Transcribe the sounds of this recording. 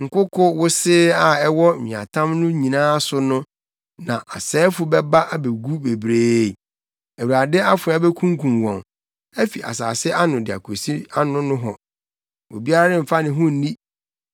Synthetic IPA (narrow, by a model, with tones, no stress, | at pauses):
ŋ̩˨kʊ˦kʰʊ˦wʊ˦sɪː˦a˦ɛ˦wɔ˦˨mɪ̃˨a̰˨tʰã˦mnʊ̃˦ɲĩ˨nãː˦sʊ˦nʊ̃˦ | nã˨ʔa˨sɛː˦fʊ˦bɛ˦ba˦ʔa˦be˨ɡu˦be˨bɾeː˦˨ | æ˨wu˨ɾa˨dɪ˦a˦fʊ˨˦a˦be˦kʰũ˦ŋkʰũ˨mwɔ̃˨ŋ | æ˦fi˨ʔa̰˨saː˨sɪ˦ʔa˦nʊ̃˨dɪ˨a̰˨kʰo˨si˦a˦nʊ̃˦nʊ̃˦ɦɔ˨ | wo˨bi˦a˦ɾa˦ɾɪ̃˦m̩˨fa˦nɪ̃˨ɦʊ̃˦n˦nĩ˦